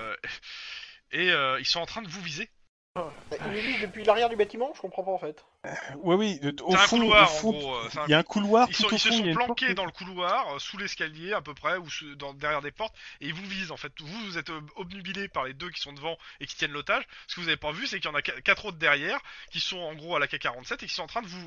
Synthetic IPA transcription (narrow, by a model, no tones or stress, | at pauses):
eøilsɔ̃ɑ̃t̪χɛ̃d̪əvuvize | ailvuvizd̪əpɥilaʁjɛʁd̪ybat̪imɑ̃ʒəkɔ̃pχɑ̃paɑ̃fɛt̪ | wɛwioseɛ̃fkulwaʁɑ̃fɡ̃ɡʁoøseɛ̃jaɛ̃kʰulwaʁilssɔ̃ilsə̃sɔ̃plɑ̃kʲed̪ɑ̃ləkulwaʁøsulɛskʲaljeapøpχɛusud̪ɑ̃d̪ɛʁjɛʁd̪epɔʁt̪eilvuvizɑ̃fɛt̪vuvuzɛt̪ɔbnybilepaʁled̪øk̬ʲi̥sɔ̃d̪əvɑ̃ekʲi̥t̪jɛnlot̪aʒsə̥kəvuzavepavysɛkjɑ̃nakakat̪χot̪̚d̪ɛʁjɛːʁkʲisɔ̃ɑ̃ɡʁoalakakaʁɑ̃t̪sɛt̪ekʲi̥sɔ̃ɑ̃t̪χɛ̃d̪əvu